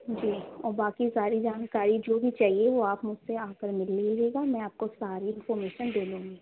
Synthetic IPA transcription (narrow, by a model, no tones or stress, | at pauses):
d͡ʒiːɔːɾbaːkisaːɾid͡ʒaːnkaːɾid͡ʒoːbʱit͡ʃaːɦieʋoaːpmʊd͡ʒseaːpəɾmɪlːiiɾeːɡamɛ̃aːp̚kosaːɾiɪnfɔːɾmeːʃənd̪eːlũːŋɡi